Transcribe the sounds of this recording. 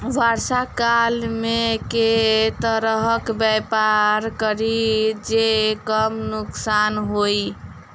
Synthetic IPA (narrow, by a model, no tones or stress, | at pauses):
ʋaɾsakalmeket̪əɾəɦəkbɛpaɾkəɾid͡ʒekəmnuksanɦoj